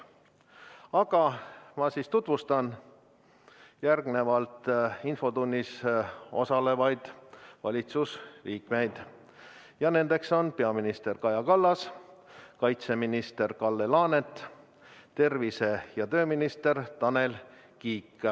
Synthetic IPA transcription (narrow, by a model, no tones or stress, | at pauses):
ɑɡɑmɑsiːst̪ut̪vust̪ɑn | jærɡne̞vɑlt̪info̞t̪unʲːiso̞̰sɑle̞vɑjd̪̥vɑ̰lʲit̪susliːkme̞jd̪̥ | jɑne̞nd̪e̞kso̞npe̞ɑminist̪e̞rkɑjɑkɑlːɑs | kɑjt̪se̞minist̪e̞rkɑlːe̞lɑːnet̪ˑ | t̪e̞rvise̞jɑt̪ø̞ːminist̪e̞rt̪ɑne̞l | kiːkː